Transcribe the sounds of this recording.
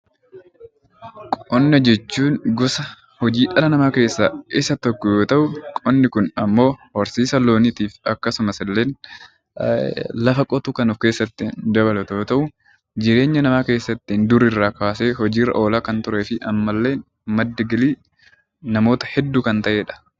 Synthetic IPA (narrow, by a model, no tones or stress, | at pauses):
kʼɔnːɐd͡ʒɛt͡ʃːuːnɡʊsɐ | hɔd͡ʒiːᶑɐlɐnɐmaːke̞ːsːaːʔɪsɐt̪ɔkːɔjoːt̪ɐʔʊkʼɔnːɪkʊnɐmːo̞ːhɔɾsiːsɐlo̞ːnɪt̪iːfɐkːɐsʊmɐsɪlːe̞ːn | lɐfɐkʼɔt̪ukɐnuːfke̞ːsːɐt̪ːɪnd̪ɐβɐlɛt̪joːt̪ɐʔʊ | d͡ʒɪɾeːɲːɐnɐmaːke̞ːsːɐt̪ːind̪ʊɾɪrːaːkaːse̞ːhɔd͡ʒiːrɐ̰ʔo̞ːlaːkɐnt̪ʊɾeːfɪʔɐmːɐlːeːn | mɐd̪ːɐɡɪliː | nɐmo̞ːt̪ɐ̥hɛd̪ːuːkɐnt̪ɐʔe̞ːᶑɐ̥